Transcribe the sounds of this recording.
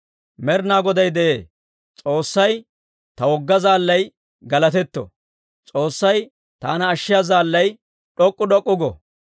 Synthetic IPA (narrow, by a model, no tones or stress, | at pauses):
mɛɾnaːɡɔd̪ɐjd̪ɛʔeː | t͡sʼo̞ːsːɐj | t̪ɐwɔɡːɐzaːlːɐj | ɡɐlɐt̪ɛt̪ːɔ̰ | t͡sʼo̞ːsːɐj | t̪a̰ːnɐːʃːɪjazaːlːɐj | ɗɔkʼːʊɗɔkʼːʊɡɔ̰